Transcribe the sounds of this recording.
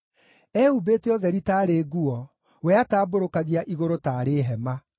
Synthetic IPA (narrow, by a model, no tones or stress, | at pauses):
ɛubeːteɔðɛɾitaːɾeɣuɔ | wɛataːboɾokaɣiaʔiɣoɾotaːɾeːɦɛma